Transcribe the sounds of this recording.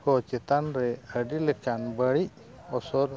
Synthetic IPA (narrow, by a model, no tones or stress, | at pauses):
kɔt͡ʃɛt̪anɾɛəɖiləkanbəɭi | ɔsɔɾ